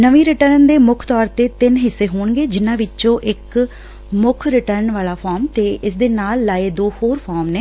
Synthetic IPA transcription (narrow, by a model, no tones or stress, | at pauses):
nəʋĩːɾɪʈəɾnd̪eːmʊkʰt̪ɔːɾt̪eːt̪ɪnɦɪsːeːɦoːɳɡeːd͡ʒɪnãːʋɪt͡ʃõːʔɪk | mʊkʰɾɪʈəɾnʋaːlaːpʰɔːɾmt̪eːʔɪsd̪eːnaːlːaːeːd̪oːhoːɾpʰɔːmneː